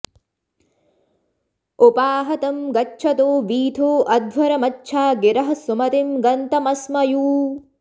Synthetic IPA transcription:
upaːɦɐt̪ɐmɡɐt͡ʃːt͡ʃʰɐt̪oːʋiːt̪ʰoːʔɐd̪ʋɐɾɐmɐt͡ʃːʃʰaːɡɪɾɐɦɐsumɐt̪imɡɐnt̪ɐmɐsmɐjuː

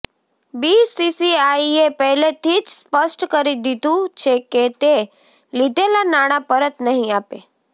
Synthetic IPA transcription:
bisisiaiepəɦlet̪ʰid͡ʒspəsʈkəɾid̪id̪ũt͡ʃʰeket̪e | lid̪ʱelanaɽ̃apəɾət̪nəɦĩape

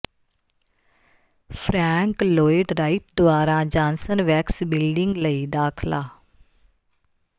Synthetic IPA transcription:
pʰɾɛːŋkloːɪɖɾaːiʈ̚d̪ʊaːɾãːd͡ʒãːnsənʋɛːksbɪlɖɪŋɡləiːd̪aːkʰlaː

